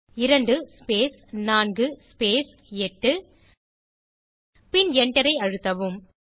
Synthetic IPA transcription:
ɪɾɐɳɖɯspeːs | naːnɡɯspeːs | ɛʈːɯ | pɪnɛɳʈɐɾɐɪɐɻɯt̪ːɐʋɯm

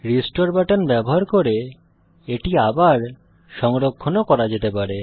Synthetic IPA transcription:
ɾisʈoɾbɛʈanbɛboɦaɾkoɾe | eʈiabaɾ | ʃɔŋɾokʰːonokɔɾad͡ʑet̪epaɾe

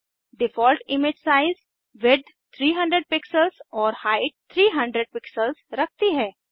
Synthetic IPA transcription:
ɖɪfɔːlʈɪmɪd͡ʒsaːɪz | ʋed̪ | t̪ʰɾiːɦɐ̃ɳɖɾəɖ̚pɪksəlzɔːɾhaːɪʈ̚t̪ʰɾiːɦɐ̃ɳɖɾəɖ̚pɪksəlzɾɐk̚ʰt̪iɦɛ̃ː

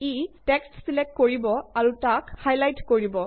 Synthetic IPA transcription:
itɛkstsilɛk̚tkoɹibɔaɹutakhajlajtkoɹibɔ

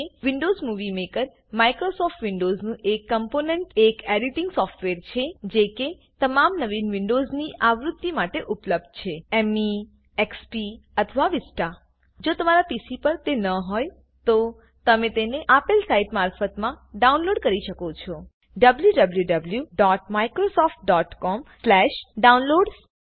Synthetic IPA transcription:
ʋiɳɖozmuʋimekəɾ | maikɾosɔfʈʋiɳɖoznũʔekːəmponeɳʈekeɾit̪iŋɡsɔfʈʋeɾt͡ʃʰed͡ʒeke | t̪əmamnəʋinʋɪɳɖozniʔʔaʋɾut̪ːimaʈeʔupləb̚d̪̚t͡ʃʰeemi | ekspiət̪ʰəʋaʋisʈa | d͡ʒot̪əmaɾapisipəɾt̪enəɦɔj | t̪o | t̪əmẽt̪eneʔapilsaiʈmaɾfət̪mãɖaunloɖkəɾiʃəkot͡ʃʰɔ | ɖəbljuɖəbljuɖəbljuɖɔʈmaikɾosɔfʈ̚ɖɔʈkɔmslɛʃɖaunloɖs

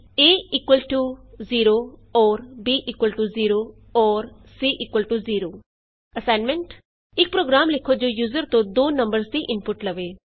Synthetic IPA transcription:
eːɪːkwəlʈuːziːɾoːɔːɾbiːʔɪkwəlʈuːziːɾoː | ɔːɾ | siːʔɪkwəlʈuziːɾoː | əsaːnmɛ̃ɳʈ | ɪk̚pɾoːɡɾaːmlɪkʰod͡ʒoːjuːzəɾt̪õːd̪oːnəmbəɾsd̪iʔɪnpʊʈləʋeː

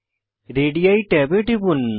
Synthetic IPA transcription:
ɾeːɖijaiʈɛːbeʈibun

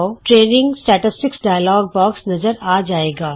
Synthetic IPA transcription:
oʈɾeːnɪ̃ŋɡsʈɛːʈɪsʈɪksɖaːjlɔːɡ̚bɔːksnɐzəɾaːd͡ʒaːeːɡaː

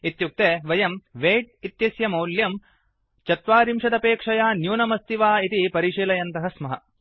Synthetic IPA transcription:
it̪juk̚t̪eːʋɐjɐmʋeːʈ̚it̪jɐsjɐmɐwljɐm | t͡ʃɐt̪ʋaːɾimʃɐd̪ɐpeːkʂɐjaːnjuːnɐmɐst̪iʋaːit̪ipɐɾiʂiːlɐjɐnt̪ɐɦɐsmɐɦɐ̰

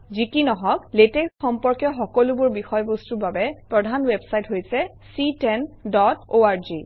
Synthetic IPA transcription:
zikinɔɦɔkleteksxɔmpɔɹkjɔxɔkɔlubʊɹbixɔjbostuɹbabɛpɹɔdʱanwebsajtɦojsɛ | sitɛndɔtoaɹzi

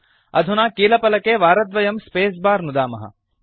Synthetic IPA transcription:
ɐd̪ʱunaːkiːlɐpɐlɐkeːʋaːɾɐd̪ʋɐjɐmspeːs̬baːɾnud̪aːmɐɦɐ̰

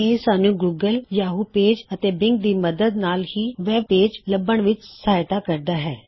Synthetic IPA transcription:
esaːnũːɡuːɡəljaːɦuːpeːd͡ʒət̪eːbɪŋɡ̚d̪iːməd̪əd̪naːlhiːʋɛːb̚peːd͡ʒləbəɳʋɪt͡ʃsaːjt̪aːkəɾd̪aːɦɛː

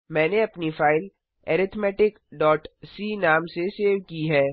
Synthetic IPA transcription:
mɛ̃ːneɐpnifaːɪl | ɛːɾɪt̪ʰmɛːʈɪk | ɖɔːʈsiːnaːmseseːʋkiɦɛː

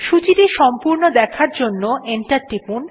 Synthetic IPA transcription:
ʃut͡ɕiʈiʃɔmpuɾnod̪ɛkʰaɾd͡ʑonːoʔeɳʈaɾʈːipun

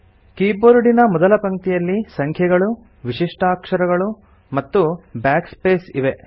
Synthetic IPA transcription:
kiːboːɾuɽinɐmɔd̪ɐlɐpɐŋt̪ijɐlːisɐŋkʰjɐɡɐɭu | ʋiʂiʂʈaːkʂɐɾɐɡɐɭu | mɐt̪ːubjaːkspeːsiʋe

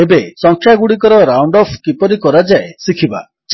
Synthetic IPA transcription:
ebesɔŋkʰjaɡuɽik̬ɔɾɔɾawɳɖɔpʰkipɔɾikɔɾad͡ʒaesikʰiba̰ | t͡ʃ

